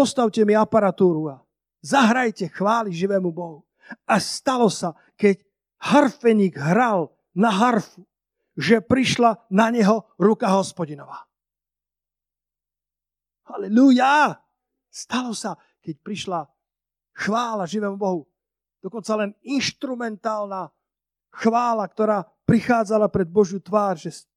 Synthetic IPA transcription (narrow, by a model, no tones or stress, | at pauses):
pɔst̪awcɛmiapaɾat̪uːɾua | zaɦɾajcɛxʋaːliʒiʋɛːmubɔɦu | ast̪alɔsa | kɛc | haɾfɛɲiːɡɦɾal | naɦaɾfu | ʒɛpɾiʃlanaɲɛɦɔɾukaɦɔspɔɟinɔʋaː | halɛluja | st̪alɔsa | kɛc̚pɾiʃla | xʋaːlaʒiʋɛːmubɔɦu | d̪̥ɔkɔnt͡salɛninʃt̪ɾumɛnt̪aːlna | xʋaːlakt̪ɔɾaː | pɾixaːd͡zalapɾɛd̪̚bɔʒjut̪ʋaːɾʒɛs